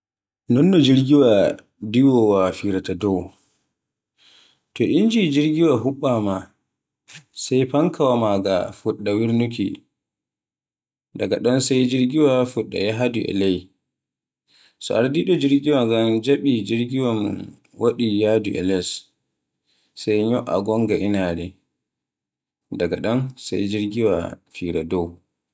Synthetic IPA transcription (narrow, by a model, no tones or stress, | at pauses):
nɔnːɔd͡ʒiɾɡiwa | diwɔwafiɾatadɔw | tɔʔind͡ʒid͡ʒiɾɡiwaɦuɓːama | sajpaŋkawamaɡa̰fuɗːawiɾnukḭ | daɡaɗɔnsajd͡ʒiɾɡiwafuɗːa̰jaɦaduʔɛ̰lɛj | sɔʔaɾdiɗɔd͡ʒiɾɡiwaŋɡamd͡ʒaɓid͡ʒiɾɡiwam | waɗijaduʔɛ̰lɛs | sajɲɔʔa̰ɡɔŋɡaʔinadɛ | daɡaɗɔnsa̰jd͡ʒiɾɡiwa̰fiɾadɔw